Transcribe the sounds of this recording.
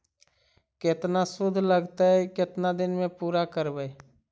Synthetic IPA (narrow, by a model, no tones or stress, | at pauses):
ket̪nasʊd̪ʱləɡt̪əkɪt̪nad̪ɪnmẽpuːɾakəɾbəj